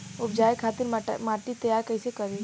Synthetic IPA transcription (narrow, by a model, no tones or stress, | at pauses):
ʊb̚d͡ʒaːjkʰaːt̪ɪɾmaːʈit̪ɐjaːɾkəisekɐɾi